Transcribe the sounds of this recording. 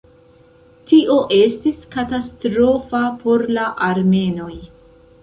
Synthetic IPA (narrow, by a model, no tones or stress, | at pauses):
tiʔo̞ʔe̞stiskatastɾo̞fapo̞ɾlaʔaɾme̞no̞j